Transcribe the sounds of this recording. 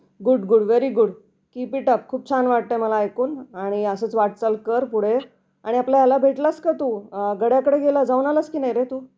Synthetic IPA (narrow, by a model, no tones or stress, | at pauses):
ɡuɽɡuɽʋeɾiɡuɽ | kipiʈəp̚kʰuːb̚t͡ɕʰanʋaʈ̚t̪əjməlaːjkuːnaɽ̃iəsət͡sʋaʈ̚t͡səlkəɾpuɽ̤e | aɽ̃iapljajalabʱeʈlaskat̪uːɡəɽjakəɽeɡelad͡zauːnalaskiːnajɾet̪uː